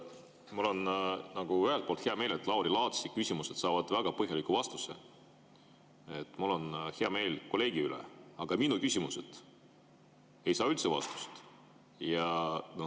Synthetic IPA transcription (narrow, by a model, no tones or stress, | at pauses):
mulo̞nnɑɡ̥uyɦelt̪polt̪heɑme̞ːle̞t̪ːˑlɑuwɾilɑːt̪sikysʲimuse̞t̪sɑːvɑd̪̥væɡ̥ɑpɤɦjɑlikːuvɑst̪use | et̪ːˑmulːo̞nhe̞ɑme̞ːlko̞lːe̞ːɡ̥iylḛɑɡ̥ɑminukysʲimuse̞d̪̥ | e̞jsɑːylt̪sevɑ̰st̪u̥st̪ | jɑno